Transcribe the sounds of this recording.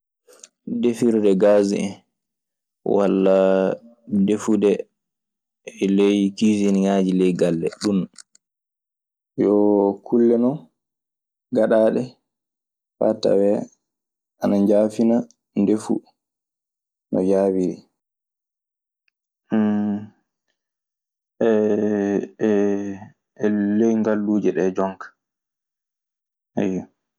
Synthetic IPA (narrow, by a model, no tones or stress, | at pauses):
defiɾudɛɡaːziʔɛn | wa̰lːa | defudɛ | ɛlejkisinɲaːd͡ʒilɛjɡalːɛ̰ɗun | jɔkʰulːɛnɔ | ɡaɗaːɗɛ | fa̰ta̰wɛ | ʔanaɲd͡ʒaːfina | ndefṵ | nɔ̰jaːwiɾḭ | ʔɛ | ɛlejŋɡalːuːd͡ʒɛɗɛd͡ʒɔŋkḁ | ajɔ